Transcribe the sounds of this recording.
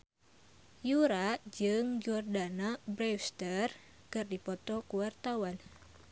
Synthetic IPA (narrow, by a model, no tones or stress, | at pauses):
juɾaʔd͡ʒɨŋd͡ʒɔrdanabɾɛfst̪ər | kɨrdipɔt̪ɔkuwart̪awan